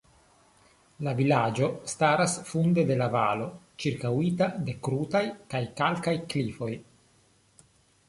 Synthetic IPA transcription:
lavilad͡ʒo̞staɾasfunde̞de̞lava̰lo̞ | t͡ʃiɾkawitade̞kɾutajkajkalkajklifo̞j

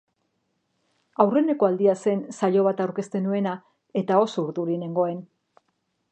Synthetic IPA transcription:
awre̞ne̞ko̞ald̪iase̞nsaʎo̞β̞at̪awɾke̞st̪e̞nue̞na | e̞t̪ao̞suɾðuɾine̞ŋɡo̞e̞n

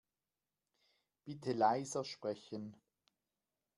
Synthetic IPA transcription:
b̥ɪtʰəlaɪzɐʃpʁ̥ɛçən

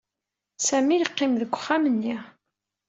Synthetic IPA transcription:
sæmijəqːɪmðəkʷːə̥χːæmənːi

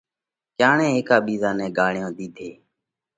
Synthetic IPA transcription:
kjaːɳɛ̃ːɦeːkaːɓiːzaːnɛ̃ːɡaːɳɪjõːd̪iːd̪ʱeː

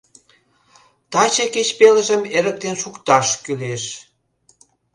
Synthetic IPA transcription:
t̪ɑt͡ɕeket͡ɕpelə̆ʒə̆meɾə̆k̚t̪enʃukt̪ɑʃkyleʃ

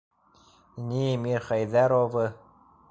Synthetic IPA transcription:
nʲimiɾχæjðæɾovɤ

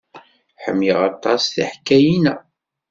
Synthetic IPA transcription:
ħə̰mːjiʁɑt̪ˤːɑsθḭħkːæjinæ

